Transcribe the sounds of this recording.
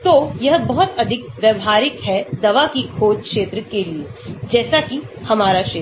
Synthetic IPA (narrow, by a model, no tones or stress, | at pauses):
t̪oːjɐɦbɐɦʊt̪ɐd̪ʱɪkʋjɐʋɦaːɾɪkɦɛd̪ɐʋakikʰoːd͡ʒkʃeːt̪ɾəkelied͡ʒɛːsakihɐmaːɾaʃeː